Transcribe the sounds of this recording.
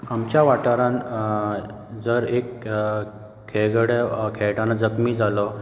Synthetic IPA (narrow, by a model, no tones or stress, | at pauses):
amt͡ɕjaʋaʈaɾãn | d͡zəɾek | kʰːeɡɽekʰɛɭʈanad͡zəkmiːd͡zʱalɔ